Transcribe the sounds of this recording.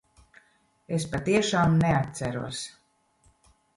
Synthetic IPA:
espat̪iɛʃaːmneat̪̚t̪sæɾuɔs

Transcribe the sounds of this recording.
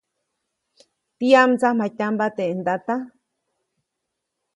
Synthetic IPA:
t̪iamt͡samãt̪ʲambat̪eʔend̪at̪a

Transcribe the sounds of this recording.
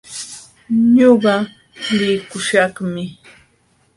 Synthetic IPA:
ɲoɢɑ | lɪkʊʃɑχmɪ

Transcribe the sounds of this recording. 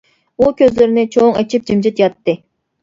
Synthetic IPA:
ukʲøzlɪɾɪnɪt͡ʃʰoŋɛt͡ʃʰip̚d͡ʒimd͡ʒit̪jɑt̪ːɨ

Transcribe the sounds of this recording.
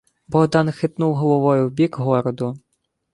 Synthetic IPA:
bɔɦd̪ɑnxɪt̪nuwɦɔlˠɔʋɔjʊwbʲikɦɔɾɔd̪ʊ

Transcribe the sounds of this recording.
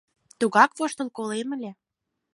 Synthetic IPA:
t̪uɣɑkβoʃt̪əlˠkolemə̆lʲe

